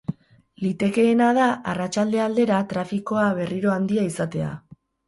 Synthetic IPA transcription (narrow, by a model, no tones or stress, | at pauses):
lit̪e̞ke̞ːnaðaarat͡ʃald̪e̞ald̪e̞ɾat̪ɾafiko̞aβe̞riɾo̞and̪iaisat̪e̞a̰